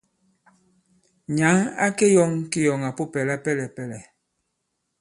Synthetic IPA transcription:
ɲa˨˦ŋa̰˦ke˦jɔ˦ŋki˦jɔ˨ŋa˨pu˦pɛ˨la˦pɛ˦˨lɛ˨pɛ˦˨lɛ˨

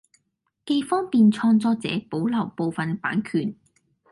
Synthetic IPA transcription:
ke˧jfɔː˥ŋpiː˨˧nt͡sʰɔː˧ŋt͡sɔː˧t͡sɛ̰ː˨˥po˨˥wlɐ˨˩wpo˨˧wfɐ˨npa̰ː˨˥nkʰyː˨˩n

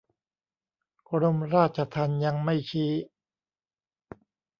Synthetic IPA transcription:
kʰɾo˧mɾaː˥˩t̪̚t͡ɕʰa˧t̪ʰa˧nja˧ŋma˥˩jt͡ɕʰiː˦˥

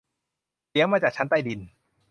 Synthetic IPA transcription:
i˧˦˥əwmaː˧˩t͡ɕaː˨˩k̚t͡ɕʰnt̪aː˥˩jdi˧n

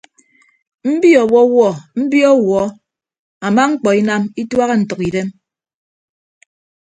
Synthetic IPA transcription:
m̩˦bi˦ɔ˨wɔ˦wɔ˦˨m̩˦bi˦ɔ˦wɔ˨˦ | a˨ma˦ŋ͡m̩˦k͡pɔ˨i˦na˦mi˦twa˦ɣe˦n̩˨tɔ˨ki˨de˦m

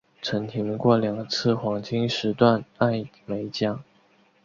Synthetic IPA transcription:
ʈ͡ʂʰə˧˥nt̪ʰi˧˥ŋ˧kwɔ˥˩ljɑ˨˩ŋɡə˦t͡sʰɹ̩˥˩xwɑ˧˥ŋt͡ɕi˥ŋʂɻ̩˧˥t̪wa˥˧na˥˩n | me˧˥ɪt͡ɕjɑ˥

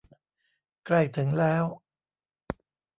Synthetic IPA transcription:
kla˥˩jt̪ʰɯ˩˦ŋlɛː˦˥w

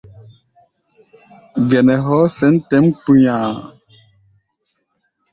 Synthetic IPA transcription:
ɡɛ˨nɛ˨ɦɔ˦sɛ˨˦n̩˦tɛ˦m˦pu˦ɲãː˨

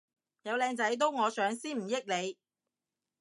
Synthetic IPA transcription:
jɐ˨˧wlɛː˧ŋt͡sɐ˨˥jt̪̬o˥wŋɔː˨˧sœː˨˥ŋsiː˥nm̩˨˩jɪ˥k̚le˨˧j

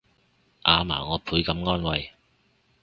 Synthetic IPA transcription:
ʔaː˨˧ma̰ː˨˩ŋɔː˨˧pʰuː˨˥jkɐ˨˥mŋɔː˥nwɐ˨˧j

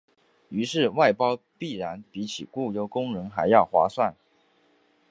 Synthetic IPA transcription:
y˧˥ʂɻ̩˥˧wa˥˩ɪpɑ˥ʊpi˥˩ɻa˧˥npi˧˥t͡ɕʰi˨˩ku˥˩jo˧˥ʊkʊ˥ŋɻə˧˥ŋxa˧˥ɪjɑ˥˩ʊxwa̰˧˥swa˥˩n

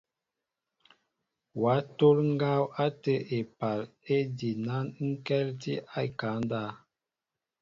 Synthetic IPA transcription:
wa˨˦to˦lŋ˦ɡa˦wa˦tə˦ʔe˨pa˨le˦di˨na˦nŋ̩˦kɛ˦lti˦a˦i˨ka˨˦n˦da˦˨

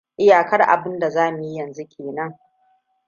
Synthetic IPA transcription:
ʔɪ˦jaː˨kɐ˦rʔa̰˨bɪ˦nda˨zaː˦mʊ˨ji˦jɐ˨nzu˦kʲʰeː˨nɐ˦ŋ

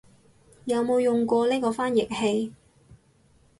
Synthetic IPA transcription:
jɐ˨˧wmo˨˧wjʊ˨ŋkʷɔː˧liː˥kɔː˧faː˥njɪ˨k̚he˧j

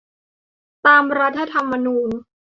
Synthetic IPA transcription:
t̪aː˧mɾa˦˥t̪ʰːa˧t̪ʰa˧mːa˧nuː˧n

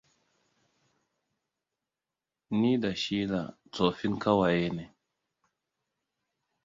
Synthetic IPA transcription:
ni˦da˨ʃi˦la̰˨ | t͡so˨fi˦nka˦wa˨je˦ne˨

